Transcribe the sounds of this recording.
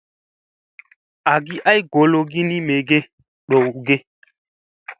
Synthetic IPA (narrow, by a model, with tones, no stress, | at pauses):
a˨ɡi˦ʔa˦jɡo˨lo˦ɡi˦ni˦me˨ɡe˦ | ɗo˨wɡe˦